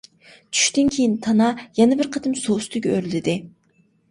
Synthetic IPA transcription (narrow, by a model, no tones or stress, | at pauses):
t͡ʃʰy̥ʃt̪ɪnkʲʰejint̪ʰɑnɑjɛnɛbɪɾqʰət̪ɨmsost̪ɨɡʲɛøɾlɪd̪ɪ